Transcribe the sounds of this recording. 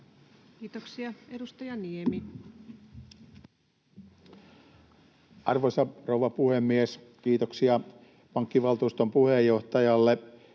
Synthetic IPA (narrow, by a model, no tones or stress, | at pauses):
kiːt̪oksiɑedust̪ɑjɑniemi | ʔɑrʋojsɑrowʋɑpuhemːieskiːt̪oksiɑ | pɑŋkːiʋɑlt̪uːst̪ompuhejːo̞ht̪ɑjɑlːe